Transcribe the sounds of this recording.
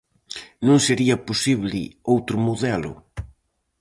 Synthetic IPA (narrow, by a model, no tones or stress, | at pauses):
nõŋseɾiɐposiβlɪ̰owt̪ɾʊmuðɛlʊ̰